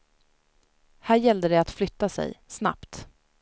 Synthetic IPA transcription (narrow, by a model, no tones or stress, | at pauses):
hæːɾjɛld̪əɖɛat̪flʏt̪ːasɛ̰jsna̰pt̪